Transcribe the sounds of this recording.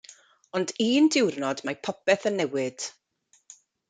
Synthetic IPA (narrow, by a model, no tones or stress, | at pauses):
ɔndiːndɪwrnɔdmajpʰɔpɛθənːɛwɪd̥